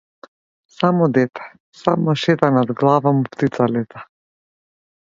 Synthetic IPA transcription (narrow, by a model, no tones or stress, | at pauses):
samɔd̪ɛt̪ʰɛ̥ | samɔʃɛt̪anad̪ɡlˠavamupt̪it̪salɛt̪ḁ